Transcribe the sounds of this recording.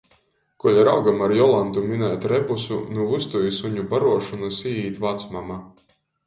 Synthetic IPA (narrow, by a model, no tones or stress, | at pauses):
kulʲaɾa̰wɡamaɾjɔlˠant̪uminɛːt̪ɾɛbusṵnuvust̪ujisuɲubaɾuɔʃɔnusiːiːt̪ʲvat̪smama